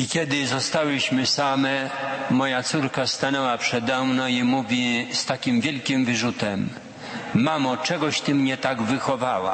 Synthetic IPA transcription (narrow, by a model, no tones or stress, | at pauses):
ikʲɛd̪ɪzɔst̪awɘɕmɘsamɛmɔjat̪suɾkast̪anɛwapʂɛd̪ɛmnɔ̃imuvʲist̪akʲimvʲjɛlkʲimvɘʐut̪ɛmː | amɔt͡ʂɛɡɔɕt̪ɘmɲɛt̪aɡvɘxɔvawa̰